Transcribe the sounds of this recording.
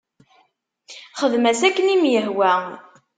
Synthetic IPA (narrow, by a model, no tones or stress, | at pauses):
χəðmæsækːənimjəɦwæ